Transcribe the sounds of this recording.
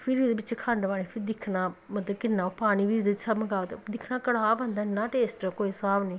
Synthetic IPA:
pʰɪɾd̪eːbɪt͡ʃkʰãɳɖʋaːneːpʰɪɾd̪ɪkʰnaːmət̪ləbkɪnːãːpaːɽ̃iːʋiːd̪eɪt͡ʃsəbməɡaːt̪ḛd̪ɪkʰnaːkəɽaːbənd̪aːɪnːãːʈeːsʈːkoːiːsaːbniː

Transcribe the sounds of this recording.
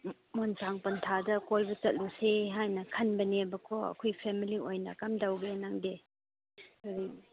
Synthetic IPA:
monsaŋpɐntʰadɐkolbut͡ʃɐt̚luseɦajnɐkʰɐnbɐnebɐkʰɔɐ̰kʰojpʰemiliojnɐkamdawɡenaŋde | kʰaɾi

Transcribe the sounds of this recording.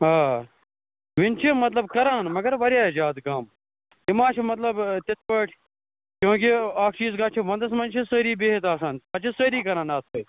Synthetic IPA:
aː | ʋɪnt͡ʃʰimɐt̪lɐbkɐɾaːnmɐɡɐɾʋɐɾjaːzaːd̪kaːm | imaːt͡ʃʰimɐt̪lɐbt̪ɪt̪ʋəʈʰ | kʲjõːkiaːkʰt͡ʃiːzkaːt͡ʃʰiʋɐ̃nd̪ɐs̬mɐnt͡ʃʰisəːɾiːbeːɦit̪aːsaːnaːt͡ʃʰisəːɾiːkɐɾãːnaːsɐː

